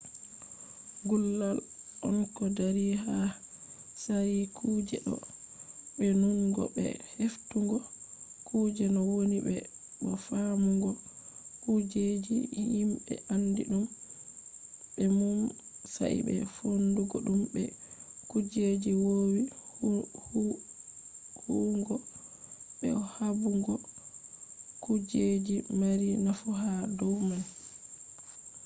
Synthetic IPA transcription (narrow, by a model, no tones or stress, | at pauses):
ɡulːalʔɔnkɔdaɾiɦa | sajikʰud͡ʒɛ̰ɗɔ̰ | ɓɛnuŋɡɔ̰bɛ̰heftuŋɡɔkuːd͡ʒɛnɔwonibɛ̰ | ɓɔfamuŋɡɔkud͡ʒed͡ʒijimɓɛ̰ʔandḭɗum | bɛmumsa̰ʔḭbɛ̰fonduɡoɗumbɛkud͡ʒed͡ʒiwowihh | huŋɡɔ | ɓɛ̰ɔhabuŋɡɔ | kud͡ʒed͡ʒimaɾinafuɦadɔwman